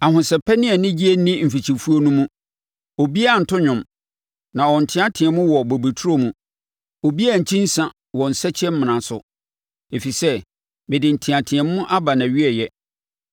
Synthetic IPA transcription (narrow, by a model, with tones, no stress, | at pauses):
a˨hʊ̃˨sɛ˨pʰɛ˦nɪ̃˦ɛ˨nɪ̃˦d͡ʑi˦e˦nĩ˦m̩˨fi˨t͡ɕʰi˨fu˦o˦nũ˦mũ˦ | ɔ˨bi˦a˦˨n̩˨tʰʊ˦ɲʊ̃˨m | nã˨wɔ˨n̩˨tʰɪ̃˦ã˦tʰɪ̃˨ɛ̃˨mʊ̃˦wɔ˨bo˨bi˨tʰu˦ɾo˦mũ˨ | ɔ˨bi˦a˦˨ɲ̩˨t͡ɕʰĩ˦n̩˦sã˨ | wɔ˨n̩˨sɛ˦t͡ɕʰɛ˦m̩˦mɪ̃˨nã˨sʊ˨ | e˨fi˨sɛ˦ | bɪ˨dɪ˨n̩˨tʰɪ̃˨ã˨tʰɪ̃˨ɛ̃˨mː˦ʊ̃˦ʔa˦ba˨nã˨ɥi˦ɛ˦˨jɛ˦